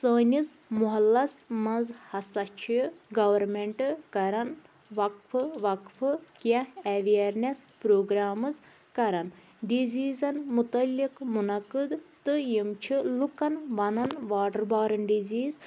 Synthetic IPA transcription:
səːnʲizmuɦɐlːɐsmɐnzhɐsɐt͡ʃʰiɡɐʋɐɾmeɳʈɨkɐɾɐn | ʋɐkfʰɨʋɐkfʰɨkjɐ̃ɛʋiɐɾnespɾoːɡɾaːmɨz | kɐɾɐn | ɖiziːzɐnmut̪ɐlːikmunɐkɨd̪t̪ɨjimt͡ʃʰilukɐnʋɐnɐnʋaːɖɐɾbaːɾɐnɖiziːz

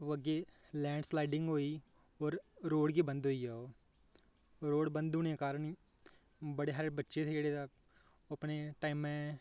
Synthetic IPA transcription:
əɡeːlɛ̃ːɳɖslaːɪɖɪ̃ŋɡɦoːiː | ɔːɾɾoːɽɡiːbə̃nd̪ɦoːiːd͡ʒaːoː | ɾoːɽbənd̪ʊnekaːɾəɳi | bəɽeːɦaːɾbətːʃet̪ʰeːd͡ʒeːɽeːd̪a | əpneʈaːɪmːɛ̃ː

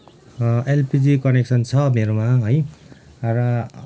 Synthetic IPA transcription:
ʔelpid͡zikʌneksʌnt͡sʰʌmeɾomaɦoj | rʌ

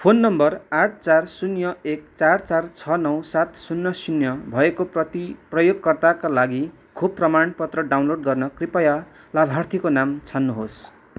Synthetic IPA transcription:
pʰonːʌmbʌraʈ̚ʰt͡sarsunjʌek̚t͡sart͡sart͡sʰʌnʌwsat̪sunːʌsunjʌbʱʌekoprʌt̪iprʌjoɡkʌrt̪akalaɡi | kʰub̚prʌmanpʌt̪rʌɖawnloɖ̚ɡʌrnʌkripʌja | labʱart̪ʰikonamt͡sʰanːuɦos

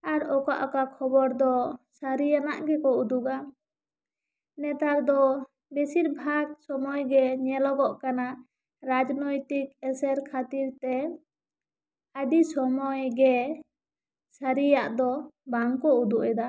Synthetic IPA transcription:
aɾɔka̰ʔɔkakʰɔbɔɾd̪ɔsaɾijana̰ʔɡɛkɔud̪uɡa | nɛt̪aɾd̪ɔ | besiɾbʱaɡsɔmɔjɡɛɲɛlɔɡɔʔkana | ɾad͡ʒnɔjt̪ik̚ɛsɛɾkʰat̪iɾt̪ɛ | ad̪isɔmɔjɡɛ | saɾijaʔd̪ɔbaŋkɔud̪uʔɛd̪a

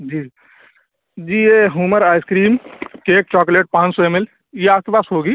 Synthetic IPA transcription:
d͡ʒiː | d͡ʒiːjeɦuːməɾaːɪskɾiːmkeːk̚t͡ʃɔːkleːʈ̚pãːnt͡ʃsɔemel | jeak̪ebaːsɦoːɡi

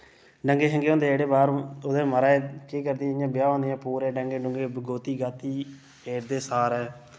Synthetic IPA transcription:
ɖəŋɡeːɦəŋɡeõːnd̪eːɽeːbaːɾod̪eːməɾaːekiːkəɾd̪ijãːbɪjaːõːnd̪ejãːpuːɾeːɖəŋɡẽːɖʊŋɡeːbəɡoːt̪iːɡaːt̪ːiː | pʰeːɾd̪eːsaːɾɛː

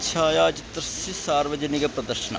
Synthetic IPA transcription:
t͡ʃʰaːjaːt͡ʃɪt̪ɾəsisaːɾʋɐd͡ʒənɪɡɐpɾɐd̪əɾʃɐna̰

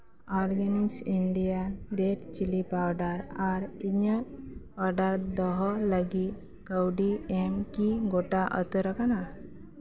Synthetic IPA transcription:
ɔɾɡaniksiɳɖijanɾeʈt͡ɕilipawɖaɾaɾiɲə | aɖaɾd̪ɔɦɔləɡi | kəwɖiemkiɡoʈaʔə̰t̪əɾəkana

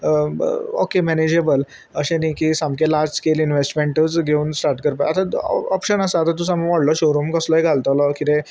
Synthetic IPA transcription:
əo̰kemɛned͡ʑebəl | əɕẽnikisãmkelaɾd͡ʑskelinʋesʈmeɳʈət͡sɡʱeuːnsʈaɾʈkəɾpaat̪aɔpɕənəsaat̪at̪̬usamʋɔɽlɔɕoɾomkəsləɦeɡʱalt̪əlɔkit̪ẽ

